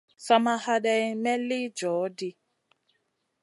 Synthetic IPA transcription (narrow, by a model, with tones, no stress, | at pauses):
sa˨ma˦ha˦ɗɛ˦i˦mɛ˦li˦d͡ʒɔ˨˦di˦